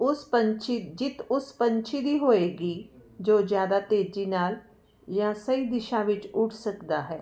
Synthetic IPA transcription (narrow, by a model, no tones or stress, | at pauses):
ʊspənt͡ʃid͡ʒɪt̪ʊspə̃ɲt͡ʃʰid̪iːɦoːeːɡiːd͡ʒoːzjaːd̪at̪eːd͡ʒiːnaːl | jãːsəid̪ɪʃãːʋɪt͡ʃʊʈʰsəkd̪aːɦɛː